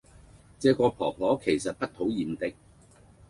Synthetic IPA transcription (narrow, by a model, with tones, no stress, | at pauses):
t͡sɛː˨˥kɔː˧pʰɔː˨˩pʰɔː˨˥kʰe˨˩jsɐ˨t̚pɐ˥t̚t̪ʰo˨˥wjiː˨˩mt̪ɪ˥k̚